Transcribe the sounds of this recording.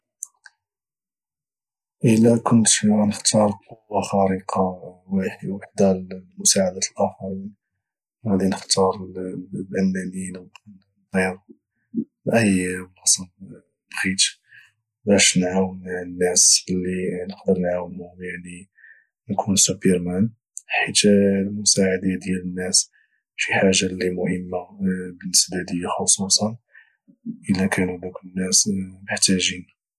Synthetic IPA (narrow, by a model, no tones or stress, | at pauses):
ʔəlækʊnt̪ænəxt̪ɑɾˤqowːaxɑɾiqʰɑwħwaħd̪almʊsaʕad̪æt̪əlʔæfɑɾin | whæd̪inəxt̪ʰɑɾˤlʔænːænin | ɣiɾ | ʔəjmɑsˤɑl | bxit̪ | bæʃnʕawənʕənːæsəlːinəqd̪əɾnʕawənjaʕni | nkʰunsupəɾmæn | ħit̪lmʊsaʕad̪ad̪jælənːæs | fiħaʒːalːimʊhəmːabənːəsbad̪əjːaxosˤusˤɑn | ʔəlækʰænd̪uknːæsməħt̪æʒin